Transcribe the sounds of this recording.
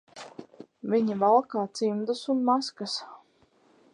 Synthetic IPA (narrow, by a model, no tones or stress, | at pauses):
viɲivalˠkaːt̪simd̪usunmaskas